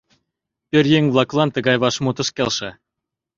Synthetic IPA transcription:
pʲørʲjeŋʲvlˠɑklˠɑnt̪ɤ̆ɡɑjβɑʃmut̪ɤ̆ʃkʲelʲʃɘ̆

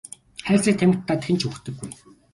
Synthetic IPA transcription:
χæːɮt͡siːk̚t̪ʰæmɘ̆kt̪ːaːt̪xʰĕnt͡ɕʰɵxt̪ɘ̆ɡːuj

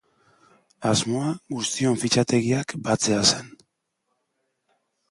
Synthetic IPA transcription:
azmo̞aɣust̪io̞ɱfit͡ʃat̪e̞ɣiakbat͡se̞ase̞n

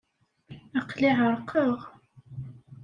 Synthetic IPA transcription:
əqliʕəɾˤqʰəʁ

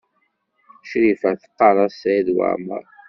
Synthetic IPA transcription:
ʃɾifæθə̥qːɑɾˤɑsðwa̰ʕmə̰ɾ

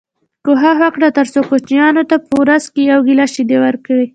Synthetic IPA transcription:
koɦaɦakɽat̪aɾsokot͡ʃijɑnot̪apəwɾazkejawɡilɑʃid̪ewaɾkawi

